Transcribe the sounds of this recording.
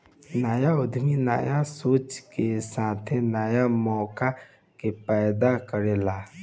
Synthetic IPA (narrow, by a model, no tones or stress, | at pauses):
naːjaod̪ʱmina̰ːjasoːt͡ʃkesaːt̪ʰenaːjamɔːka | kepɛjd̪akəɾela